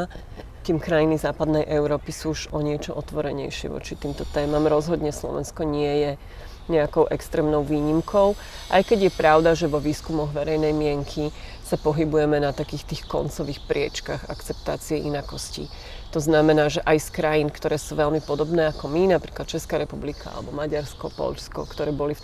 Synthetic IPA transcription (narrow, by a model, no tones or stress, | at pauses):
t̪iːmkɾajinizaːpad̪nɛjʔɛʊɾɔːpisuːuʒɔɲɪɛt͡ʃɔʔɔt̪ʋɔɾɛɲɛ̰jʃɪɛ̰ʋɔ̰t͡ʃit̪iːmt̪ɔt̪ɛːmamɾɔzɦɔd̪ɲɛslɔ̰ʋɛ̰nskɔɲɪɛjɛ | ɲɛakɔʊʔɛkst̪ɾɛːmnɔʊʋiːɲimkʰɔʊ | ʔa̰jkɛɟjɛpɾaʊd̪aʒɛʋɔʋiːskumɔɣʋɛɾɛjnɛjmɪɛŋkʰi | sapɔɦibujɛmɛnat̪akiːxt̪iːxkɔ̰nt͡sɔʋiːxpɾɪɛ̰t͡ʃkaɣa̰kt͡sɛp̚t̪aːt͡siɛʔinakɔscḭ | t̪ɔznamɛnaːʒɛʔajskɾajinkt̪ɔɾɛːsuʋɛlmipɔd̪ɔbnɛːakɔminapɾiːklat̪̚t͡ʃɛskaːɾɛpublikʰaa̰lɛ̰bɔmaɟaɾskɔpɔ̰ʎskɔ̰kt̪ɔɾɛːbɔlif